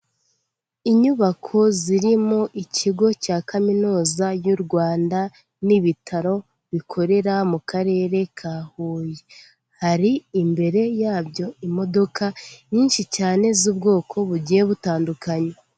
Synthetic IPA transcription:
iɲuβakʰo̞ziɾimoʔicʰiɡo̞caːkaminuːzajuɾɡwaːnda | niβitʰaɾo̞ | βikʰo̞ɾe̞ɾamukaɾe̞ːɾe̞kʰaːhuːje | haɾiːmbe̞ɾe̞jaːbjo̞imo̞do̞kʰaɲiːnʃicaːne̞zuːb̚ɡo̞ːkʰo̞βuɟije̞βutaːndukaɲe

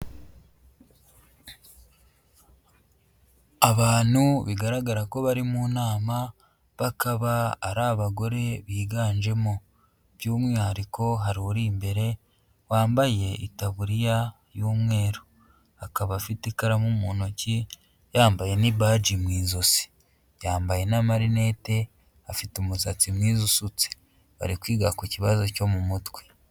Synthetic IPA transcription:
aβaːn̥huβiɡaɾaɡaɾako̞βaɾimunaːma | βakaβa̰ːɾaːβaɡo̞ɾe̞βiːɡaːnd͡ʒe̞mo | βjuːmwaːɾiko̞ɦaɾiɾiːmbe̞ɾe̞ | waːmbaje̞itaβuɾija | juːmŋe̞ːɾo | akaβafitikaɾamumuːnoci | jaːmbaje̞nibad͡ʒimwiːzosi̥ | jaːmbaje̞namaɾine̞te̞ | afitumusat͡simwiːzusut͡se̥ | βa̰ɾikwiːɡakuciβazo̞co̞mumutwe̞

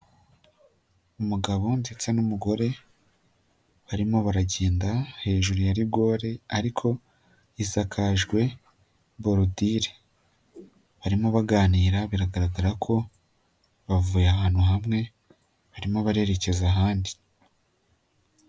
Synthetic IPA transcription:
umuɡaβo̞mdet͡senumuɡo̞ɾe̞ | βaɾimo̞βaɾaɟeːndahe̞ːʒuɾujaɾibɡo̞ːɾe̞aɾikʰo̞ | isakʰaʒɡwe̞ | boɾodiɾe | βaɾimoβaɡaːniːɾaβiɾaɡaɾaɡaɾakʰo̞ | βavuːjahaːnhuɦamŋe̞ | βaɾimo̞βaɾe̞ɾe̞ce̞zaɦaːndi

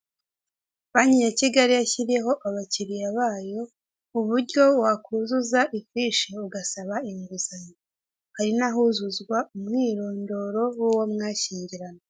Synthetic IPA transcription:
βaɲiɲaciɡaɾijaçiɾeɦo̞ʔaβaciɾijaβaːjo̞ | uβuɾɟo̞wakʰuzuzaʔifiːʃeuɡasaβaimiβuzaɲa | haɾinaɦuzuzɡwaumŋiːɾo̞ːndo̞ɾo̞wuwomŋaːʃiːɲɟiɾano

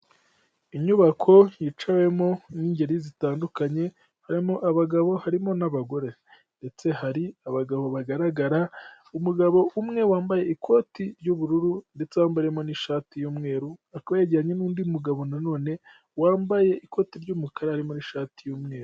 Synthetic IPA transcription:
iɲuβakʰo̞jit͡ʃawe̞mo̞niːɲɟeɾizitaːndukaɲe̞ | haɾimo̞ʔaβaɡaβo̞haɾimo̞naβaɡo̞ɾe̞ | nde̞t͡se̞haɾiaβaɡaβo̞βaɡaɾaɡaɾa | umuɡaβo̞ʔumŋe̞waːmbaje̞ikʰo̞ːtiɾɟuβuɾuɾunde̞t͡sewaːmbaɾjemo̞niʃaːtijuːmŋe̞ːɾuakaβajaɟiɾaɲenuːndiumuɡaβo̞nano̞ːne̞ | waːmbaje̞ʔiko̞ːtiɾɟumukʰaɾahaɾimo̞niːʃaːtijuːmŋe̞ːɾu

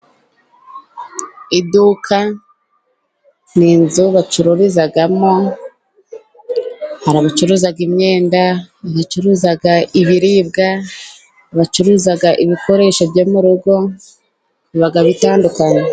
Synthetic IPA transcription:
idukʰa | ninzuβat͡ʃuɾuɾizaɡamo̞ | haɾaβat͡ʃuɾuːzaɡimɲe̞ːndaβat͡ʃuɾuzaɡaiβiɾiːbɡa | βat͡ʃuɾuːzaɡaʔiβikʰo̞ɾe̞ʃobjoːmuɾuɡo̞ | βiβaɡaβitaːndukaɲe

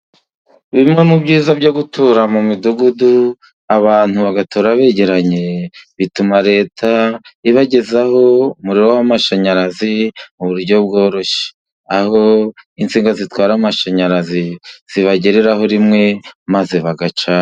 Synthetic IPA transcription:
βimŋe̞mubɟiːzabɟo̞ɡutʰuɾamumiduɡudu | aβaːn̥huβaɡatʰoːɾaβe̞ɟe̞ɾaɲe̞βitumaɾe̞ːtʰaiβaɟe̞zaho̞muɾiɾowamaʃaɲaɾazimuβuɾɟo̞b̚ɡo̞ːɾo̞ʃe̥ | aho̞int͡siːŋɡazitwaːɾamaʃaɲaɾaziz̥iβaɟe̞ɾeɾaɦo̞ɾimŋe̞mazeβaɡat͡ʃa

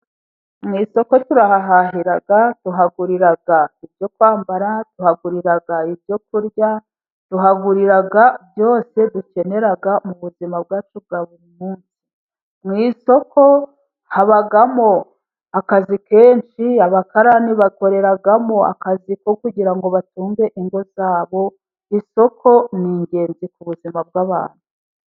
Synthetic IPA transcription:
mŋiːso̞ko̞tuɾahaɦaɦiɾaɡatuɦaɡuɾiɾaɡaibjo̞kwaːmbaɾatuhaɡuɾiɾaɡaibɟo̞kuɾja | tuɦaɡuɾiɾaɡabjo̞ːse̞βuce̞ne̞ɾaɡamuβuzimab̚ɡaːt͡ʃub̚ɡaːβuɾimuːnsi̥ | mŋiːso̞kʰo̞ | haβaɡamo̞ | akazike̞ːnʃiaβakaɾaniβako̞ɾe̞ɾaɡamoa̰kazikokuɟiɾaŋɡo̞βatuːŋɡe̞ʔiŋɡo̞zaːβo̞ | iso̞kʰo̞niːɲɟe̞ːnzikuβuzimab̚ɡaːβa̰ːn̥u

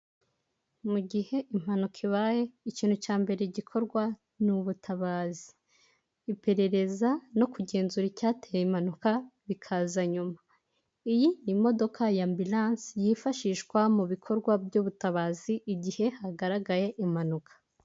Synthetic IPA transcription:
muɟihe̞ʔim̥hanukʰiβaːje̞iciːn̥hucaːmbe̞ɾeɟikʰo̞ɾɡwa | nuβutʰaβaːzi̥ː | pe̞ɾe̞ɾe̞zano̞kuɟe̞ːnzuɾicaːtejeimanukaβikʰazaɲuma | ijinimo̞do̞kʰajambilaːnsjifaʃiːʃkwamuβikʰo̞ɾɡwabjoːβutaβaːziʔːɟihe̞haɡaɾaɡaje̞ʔim̥anukʰḁ

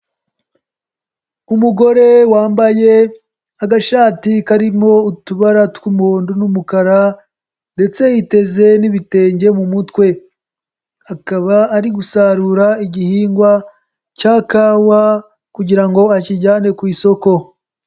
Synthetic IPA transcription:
umuɡo̞ɾe̞waːmbaje̞ | aɡaʃaːtikaɾimo̞utuβaɾatwumuhoːndunumukaɾa | nde̞t͡se̞jite̞ze̞niβite̞ːɲɟe̞mumutkwe̞ | akaβaːɾiɡusaɾuːɾaiɟihiːŋɡwa | caːkaːwa | kuɟiɾaŋɡo̞aciɟaːne̞kwiːso̞ko̞

